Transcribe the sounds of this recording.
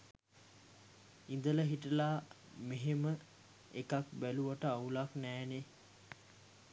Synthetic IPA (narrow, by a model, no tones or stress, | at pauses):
ind̪ələɦiʈəlaː | meɦemə | ekakbæluʋaʈəaulaknæːne